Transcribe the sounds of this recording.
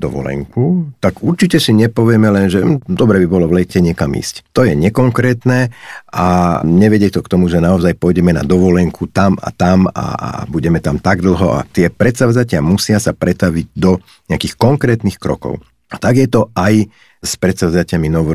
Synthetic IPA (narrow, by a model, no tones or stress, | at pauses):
d̪ɔʋɔ̰lɛ̰ŋkut̪aɡuɾt͡ʃicɛsiɲɛpɔʋɪɛmɛlɛnʒɛd̪ɔbɾɛːbibɔlɔʋlɛcɛɲɪɛkamḭːsct̪ɔjɛɲɛkɔŋkɾɛːt̪nɛʔaɲɛʋɛɟɪɛt̪ɔkt̪ɔmuʒɛnaɔzajpɔjɟɛmɛna̰d̪ɔʋɔlɛŋkʰut̪ama̰t̪ama̰buɟɛmɛt̪amt̪aɡd̪l̩ˠɦɔʔa̰t̪ɪɛpɾɛt̪saʊzacɪamusɪasapɾɛt̪aʋiɟd̪ɔ | ɲɪakixkɔŋkɾɛːt̪nixkɾɔ̰kɔ̰ʊ | at̪aɡjɛt̪ɔaj | spɾɛt̪saʊzacɪaminɔʋ